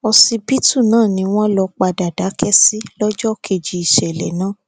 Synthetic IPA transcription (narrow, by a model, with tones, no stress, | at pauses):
ɔ˧si˧bi˦tu˦˨nãː˦˨nĩ˧w̃ɔ̃˦lɔ˧k͡pa˧˨da˨da˨˦kʰɛ˦si˦lɔ˦d͡ʒɔ˦kʰe˧˨d͡ʒi˧i˨ʃɛ˨lɛ˨nãː˦